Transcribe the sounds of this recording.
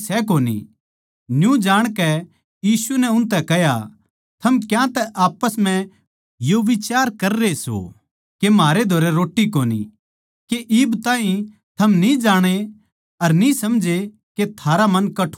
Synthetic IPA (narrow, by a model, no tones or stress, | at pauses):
sɛkoːnḭ | njũd͡ʒaːɽ̃kɛ | jiːsunɛʊ̃nt̪ɛkɛɦja̰ | t̪ʰɐmkjãt̪ɛʔaːpːəsm̤ɛ̃ | joʋɪt͡ʃaːɾkɐɾːeso̰ | kemaːɾed̪ʱoːɾɛɾoːʈːikoːnḭ | keʔɪbt̪ãːɦĩ | t̪ʰɐmnid͡ʒaːɽ̃e | tɐɾnĩsɐmd͡ʒʱe | ket̪ʰaːɾamɐnkɐʈʰ